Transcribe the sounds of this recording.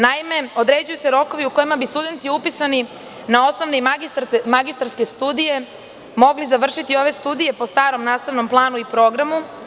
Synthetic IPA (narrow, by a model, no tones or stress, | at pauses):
naime̞o̞d̪ɾe̞d͡ʑujuse̞ɾo̞ko̞ʋiuko̞jimabist̪ud̪e̞nt̪iupisani | nao̞sno̞ʋneimaɡist̪aɾske̞st̪uːd̪ije̞ | mo̞ɡlizaʋr̩ʃit̪io̞ʋe̞st̪ud̪ije̞po̞st̪aːɾo̞mnaːst̪aʋnomplˠaːnuipɾo̞ɡɾamu